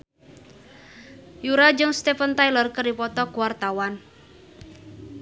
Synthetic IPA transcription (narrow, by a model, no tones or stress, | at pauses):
juɾad͡ʒʊŋst̪efənt̪ajlərkəripɔt̪ɔkuwart̪awan